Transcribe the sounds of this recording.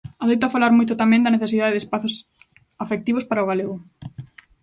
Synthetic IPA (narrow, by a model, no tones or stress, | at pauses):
aðejt̪ʊafalaɾmojt̪̬ʊt̪amɛ̃ŋd̪ɐneθesiðaðeðespaθʊs | afek̚t̪iβʊspaɾɐʊɣaleɣʊ